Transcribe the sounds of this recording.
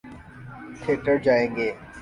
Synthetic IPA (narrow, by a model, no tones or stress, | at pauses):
t̪ʰeːʈəɾd͡ʒaːẽːŋɡeː